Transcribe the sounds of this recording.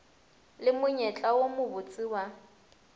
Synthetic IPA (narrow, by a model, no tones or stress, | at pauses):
lɪmʊɲɛt͡ɬʼawomʊbʊt͡sʼiwa